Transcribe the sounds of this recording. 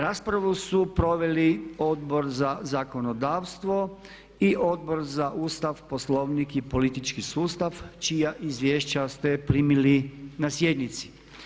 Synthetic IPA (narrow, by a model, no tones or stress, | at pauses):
ɾaːspɾaʋusupɾo̞ʋe̞lio̞d̪̚bo̞ɾzazako̞nod̪aːʋst̪ʋo̞ | iʔo̞d̪̚bo̞ɾzaʔuːst̪aʋposlo̞ʋnikipo̞lit̪it͡ʃkisuːst̪aʋt͡ʃijaʔizʋjeːʃt͡ɕast̪epɾiːmilinasje̞d̪nit̪si̥